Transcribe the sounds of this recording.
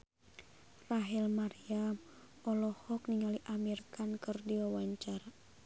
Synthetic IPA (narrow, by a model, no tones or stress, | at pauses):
raɦilmaɾiam | ɔlɔhɔkniŋaliʔamirkankɨrdiwawaɲt͡ʃara